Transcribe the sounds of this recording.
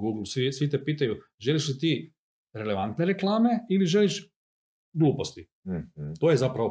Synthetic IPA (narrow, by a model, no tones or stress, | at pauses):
ɡuːɡl̩ˠsisʋit̪̬epiːt̪aju | ʒe̞liʃlit̪iː | ɾele̞ʋant̪neɾeklˠaːme̞iliʒeliʃ | ɡluːpost̪i | t̪oːjezapɾaʋo